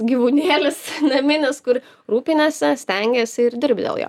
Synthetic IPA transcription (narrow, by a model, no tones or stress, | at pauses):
ɡʲiːʋuːnʲeːlʲɪsnɐmʲɪnʲɪskʊɾ | ɾuːpʲɪnʲɛːsʲɪsʲt̪ʲɛŋʲɡʲɛsʲɪɾd̪ʲɪɾʲbʲd̪ʲḛlˠjo̰ː